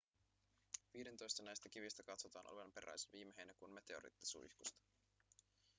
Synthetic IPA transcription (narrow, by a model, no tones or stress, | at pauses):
ʋiːde̞nt̪o̞jst̪ɑnæjst̪æk̟iʋist̪ækɑt̪so̞t̪ɑ̰ːnʔo̰ʋenpe̞ɾæ̰jseʋiːmeɦejnækunme̞t̪e̞oɾḭt̪ːi̥sṵḭhkust̪ɑ̥